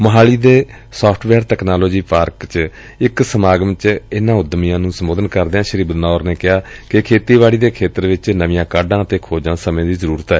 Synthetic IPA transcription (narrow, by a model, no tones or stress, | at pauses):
məɦaːɭiːd̪eː | soːpʰʈʰʋɛːɾt̪ɛːknaːloːd͡ʒiːpaːɾkt͡ʃ | ɪksəmaːɡəmt͡ʃɪnãːʊd̪mijãːnũːsəmoːd̪ənkəɾd̪eːãːʃəɾiːbənaːʊːɾneːkɪɦaːkɪkʰeːt̪iːʋaːɽiːd̪eːkʰeːt̪əɾʋɪt͡ʃnəʋɪjãːkaːɖãːət̪eːkʰoːd͡ʒãːsəmẽːd̪iːzəɾuːɾət̪ɛː